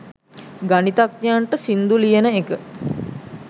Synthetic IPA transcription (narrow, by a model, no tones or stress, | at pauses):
ɡanit̪ak̚naɳʈəsind̪ulijenəekə